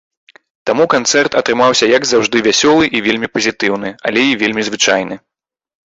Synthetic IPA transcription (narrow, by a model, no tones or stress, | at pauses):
t̪amukant̪sɛrt̪ɐt̪ɾɨmawsʲɐjɐɡzawʐd̪ɨvʲasʲɔlˠɨʔivʲelʲmʲipɐzʲit̪ɨwn̪ɨɐ̰lʲɛivʲelʲmʲizvɨt͡ʂajnɨ